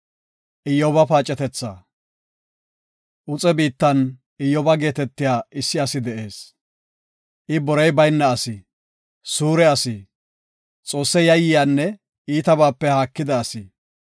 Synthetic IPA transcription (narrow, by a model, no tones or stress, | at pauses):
ʔɪjɔbɐpaːt͡ʃʼːɛt̪ɛt͡sːa̰ː | ʔʊt͡sʼɛbiːt̪ːɐn | ɪjːɔbɐɡe̞ːt̪ɛt̪ːɪjaːɪsːɪɐsɪd̪ɛʔe̞ːs | ʔɪbɔɾɛjbɐjnːɐɐsɪ | suːɾɛɐsɪ | t͡sʼo̞ːsːɛjɐjːɪjaːnːɛ | iːt̪ɐbaːpːɛhaːkːɪd̪ɐːsɪ